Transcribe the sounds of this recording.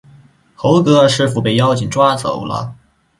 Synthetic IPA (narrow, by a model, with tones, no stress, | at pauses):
xo˧˥ʊkɤ˧˥˧ʂɻ̩˥˩fu˨˩pe˥˩ɪjɑ˥ʊt͡ɕʰi˨˩ŋʈ͡ʂwa˥t͡so̰˨˩˦ʊlə̰˧